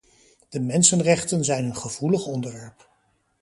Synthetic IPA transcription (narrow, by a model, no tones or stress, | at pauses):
d̥əmɛnsənrɛχtənzɛjnənχəv̥uləχɔndəɹʋɛɹp